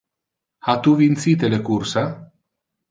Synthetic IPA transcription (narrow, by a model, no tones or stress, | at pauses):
hat̪uvint̪sit̪elekursa